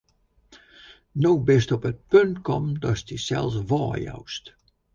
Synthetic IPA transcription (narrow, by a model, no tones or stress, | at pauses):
nowbɪstɔpət̚pøntkɔmdɔstisɛ̰lˠsʋɔːja̰wst